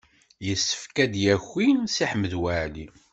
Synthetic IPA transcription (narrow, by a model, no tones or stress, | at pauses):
jəsːə̥fkæd̪jæçːinsiħmːəðwæli